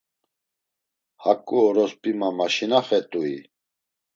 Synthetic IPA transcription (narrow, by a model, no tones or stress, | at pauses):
hakʼːuːɾɔspʼimamaʃinaχɛt̪ʼuḭ